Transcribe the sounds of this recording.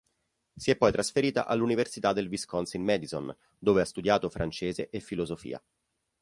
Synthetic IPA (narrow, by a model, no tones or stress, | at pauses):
siɛpːɔjt̪ɾasfeɾiːt̪a̰ʔalːuniversit̪ad̪elviskɔnsinmɛd̪izo̰n | d̪oːveast̪ud̪jaːt̪ofɾant͡ʃeːzeʔefːilozofḭːa̰